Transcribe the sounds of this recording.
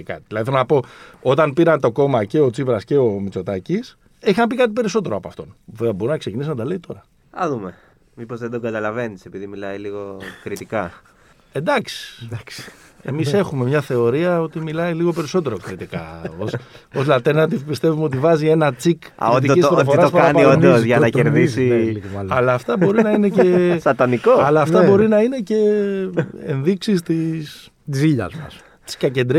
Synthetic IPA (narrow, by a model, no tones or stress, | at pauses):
kɐ̰t̪iðilɐðiθelonɐpo̞o̞t̪ɐnpiɾɐnt̪o̞ko̞mɐce̞ot͡sipɾɐsce̞o̞mit͡so̞t̪ɐcis | eçxɐmpikɐt̪ipe̞ɾiso̞t̪e̞ɾoɐpoɐft̪o̞̰noveɐbo̞ɾinɐkse̞cinisnɐd̪ɐleit̪o̞ɾɐ | ɐ̰ðume | mipo̞zðed̪oŋɡɐt̪ɐlɐve̞nise̞piðimilɐiliɣokɾit̪ikɐ | ed̪ɐksi̥ks | emise̞xume̞mɲɐθe̞o̞ɾiɐo̞t̪imilɐiliɣo̞pe̞ɾiso̞t̪e̞ɾokɾit̪ikɐ̰oso̞zlɐt̪e̞ɾnɐt̪ipist̪e̞vumeo̞t̪ivɐzie̞nɐt͡sikɾit̪iispofoɾɐopɐnpiod̪ozʝɐnɐceɾðisivɐlɐlɐːft̪ɐbo̞ɾinɐineesɐt̪ɐnikoɐlɐːft̪ɐbo̞ɾinɐine̞ce̞ | enðiksist̪is | t̪isiʎɐ̰zmɐ̰s | t̪i̥skɐce̞nd̪ɾi